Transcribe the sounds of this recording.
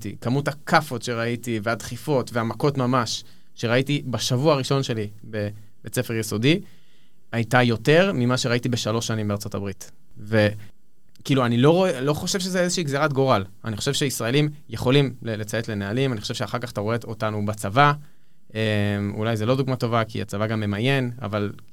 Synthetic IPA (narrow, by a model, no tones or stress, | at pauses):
tḭkamuthakʰafo̞tʃe̞ʁaitivead̪χifo̞tveamako̞tmamaʃː | e̞ʁaitibaʃavuaːʁiʃo̞nʃe̞li | be | be̞t͡sefeʁjeso̞di | ajtajo̞te̞ʁmimaʃe̞ʁaitibe̞ʃalo̞ʃːanimbeaʁt͡so̞tabʁit | ve | kiːluanilo̞ʁoelo̞χo̞ʃevʃezezeʃiːɡzeʁatɡoʁala̰niχo̞ʃevʃeisʁae̞limjeχo̞limlelet͡saetle̞nealimanixχoʃevʃeaχaʁkaχataʁoe̞otanubat͡sava | emṵlajzelo̞duɡmato̞vakḭa̰t͡savaɡamːe̞maje̞na̰val